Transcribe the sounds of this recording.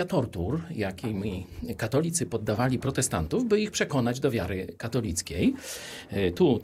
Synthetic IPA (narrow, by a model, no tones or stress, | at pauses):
at̪ɔɾt̪uɾjakʲijmʲikat̪ɔlʲit̪sɘpɔd̪ːavalʲipɾɔt̪ɛst̪a̰nt̪uvbɘixpʂɛkɔnad͡ʑd̪ɔvʲjaɾɘkat̪ɔlʲit̪skʲej | t̪u